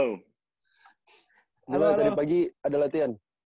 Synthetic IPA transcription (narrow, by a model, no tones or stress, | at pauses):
nəlat̪adipaɡiadalat̪ian